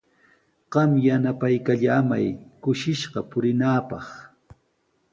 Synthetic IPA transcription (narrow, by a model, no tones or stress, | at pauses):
ɢ̥ɑmjanapajkaʎaːmajkʊʃɪʃɢɑpʊɾɪnaːpɑχ